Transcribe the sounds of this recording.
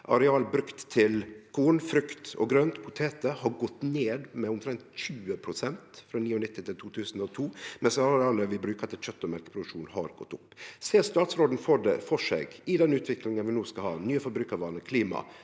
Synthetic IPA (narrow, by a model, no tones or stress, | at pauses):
ʔɑ̰ɾɛɑːləbɾʉkt̪ʰːɪlkʰuːnfɾʉkt̪ɔ̰ɡɾøːnt̪pʰʊt̪ʰeːt̪əhɑɾɡɔt̪ːneːd̪mɛʊmt̪ʰɾɛnt̪çʉːəpʰɾʊsɛnt̪fɾɑːniːʊnɪt̪ːɪt̪ʰɪlt̪ʰuːt̪ʰʉːsn̩ɔt̪ʰuːmɛnsɑɾɑːləʋɪbɾʉːkət̪ɪlɕœt̪ːɔmæɾkə̥pʰɾʊd̪ʉkʂuːnhɑ̰ɾɡɔ̰t̪ːʊpːseːɾst̪ɑːt̪sɾoːd̪n̩foɖ̪ə̰fɔʂḛːɡɪd̪ɛnʉːt̪ʋɪklɪŋənʋɪnuːskɑhɑ̰ːnyːəfɔɾbɾʉːkəɾʋɑːɾnəkʰliːmɑ̰